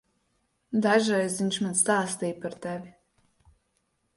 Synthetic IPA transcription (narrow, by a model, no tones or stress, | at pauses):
d̪aʒajzviɲʲʃmanst̪aːst̪iːpaɾt̪ɛvʲi